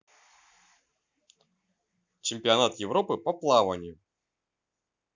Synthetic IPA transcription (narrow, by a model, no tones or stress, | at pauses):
t͡ɕɪmʲpʲɪɐnat̪jɪvɾopɨpɐplˠavɐnʲɪjʊ